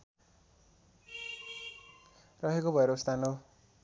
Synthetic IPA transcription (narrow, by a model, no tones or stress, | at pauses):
rʌɦekobʱʌeɾʌust̪ano